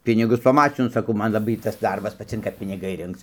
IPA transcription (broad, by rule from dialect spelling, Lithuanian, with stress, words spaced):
ˈpʲɪnʲɪɡʊs pɐˈmɑːt͡ʃʲɪnʊ sɐˈkɐʊ ˈmɐn lˠɐˈbɐɪ ˈtɐs ˈdɐrbɐs pɐˈt͡sʲɪŋkɐ pʲɪnʲɪˈɡɐɪ ˈrʲɪŋkt͡s